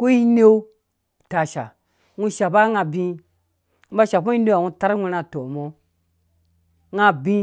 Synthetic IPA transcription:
ku˦ji˦ne˦ | ta˨ʃa̰˨ | ŋu˧ʃa˨ba˦ŋa˧bĩ˧ | u˦ba˦ʃa˨po˦i˦ne˦a˨wu˦˧ta˦ɾwʷi˧na˧to˨mo˦ | ŋa˧bĩ˦

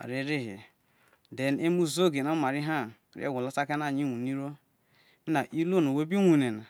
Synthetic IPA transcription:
a̰˨ɾi˦ɾi˦ɦḭ˨ | de˨n˦e˦mu˦zo˦˨ɡe˨no˦ma˨ɾi˦ɦa˦˨ | ɾ̰ḛ˦˨ɡʷu˨lo˦sa˦ke˦n˦a˦˨ɲi˦ŋʷu˨ni˦ɾo˦ | mi˦na˨ʔi˦lo˦no˨we˦bi˦ŋʷu˨ne˨na˨

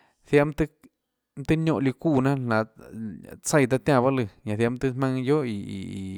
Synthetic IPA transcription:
θja˧˦mt̪ɨ˦ | mt̪ɨ˦ɲjo˦˧ʔli˧ku˧nã˦na˨ | t͡sa˦˧jd̪̬a˧t̪ja˧ba˦lɨ˧ɲa˨θja˧˦mt̪ɨ˦ma˧ŋjo˦i˧ḭ˨

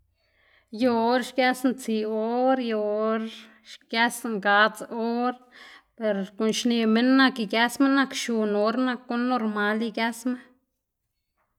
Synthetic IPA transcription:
jo˧ɾʃkja˦snt͡si˧o˦ɾjo˧ɾ | ʃɡja˦sŋɡa˧t͡so˦ɾpe˨ɾko˨nʃne˧me˦nːa˧ki˧ɡja˦sme˦nːa˧kʃu˧no˧˦ɾna˧kːo˦nːo˧ɾma˧˦li˧ɡja˦sme˦

